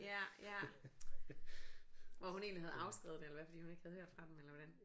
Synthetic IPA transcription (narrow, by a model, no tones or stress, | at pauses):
jæjæ | ʋɒɦune̝̰ːnlihæð̞̩ˠɑ̈ʊsɡ̥ʁḭð̞̩ˠd̥elɐʋæfd̥ḭːhune̝ɡ̥hæð̞̩ˠhøɐ̰d̥fʁɑ̈d̥emelɐʋɒd̥æn